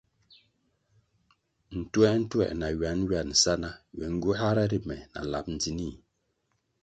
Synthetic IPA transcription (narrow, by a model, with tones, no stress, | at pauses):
n̩˨twɛ˦n̩˦twɛ̰˦˨ʔna˨ɥa˨˦n˦ɥja˨n̩˨sa˦na˦wɛ˨ŋ̩˦ɡu˦ha˦ɾa˦ɾi˦mɛ˨na̰˨la̰˨p̚n̩˨d͡zi˨ni˦˨